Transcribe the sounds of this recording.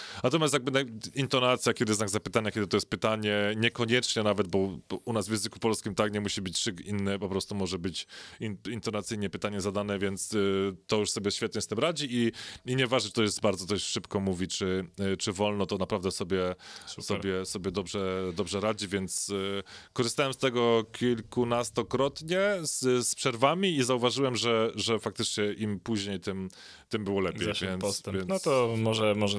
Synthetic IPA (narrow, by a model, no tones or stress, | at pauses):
nat̪ɔmjast̪jaɡ̚bɘnaint̪ɔnat̪sʲjakʲɛd̪ɘɪzazzapɘt̪aɲakʲɛd̪ɘɪt̪ɔjɛst̪̚pɘt̪aɲɛɲɛkɔɲɛt͡ʂɲɛnavɛd̪̚bɔunazvjɛ̃nzɘku̥pɔlskʲimt̪akɲɛmuɕibɘt͡ɕʂɘkinːɛpɔpɾɔst̪umɔʐɛbɘt͡ɕiint̪ɔnat̪sɘjɲɛpɘt̪aɲɛzad̪anɛvʲjɛnt̪st̪ɔjuʂsɔbʲjɛɕfʲɛt̪̚ɲɛst̪ɘmɾad͡ʑiiiɲɛvaʐnɛt͡ʂt̪ɔjɛst̪baɾd̪zɔt̪ɔɕʂɘpkɔmuvʲit͡ʂɘt͡ʂɘvɔlnɔt̪ɔnapɾavd̪ɛsɔbʲjɛsɔbʲjɛsɔbʲjɛd̪ɔbʐɛd̪ɔbʐɛɾad͡ʑivʲjɛnt̪skɔʐɨst̪awɛmst̪ɛɡɔkʲilkunast̪ɔkɾɔt̪ɲɛsspʂɛɾvamʲiizauvaʐɘwɛmʐɛʐɛfak̚t̪ɘt͡ʂɲɛʔimpuʑɲejt̪ɘm | t̪ɘmbɘwɔlɛpʲjɛjjvʲɛnɔst̪ɛvjɛnnɔt̪ɔmɔʐɛmɔʐɛ